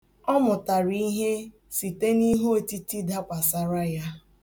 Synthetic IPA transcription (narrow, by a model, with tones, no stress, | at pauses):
ɔ˦mʊ˨ta˨ɾi˦ɦe˦ | si˨te˦ni˦ɦo˦˨ti˦ti˦da˦kʷa˨sa˨ɾa˦ja˦